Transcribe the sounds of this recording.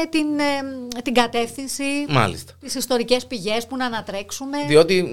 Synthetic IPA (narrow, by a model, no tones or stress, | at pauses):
t̪int̪iŋɡɐt̪e̞fθinsimɐ̰lḭst̪ɐ̥t̪isist̪o̞ɾice̞spiʝe̞spunɐːnɐt̪ɾe̞ksume̞ðio̞t̪i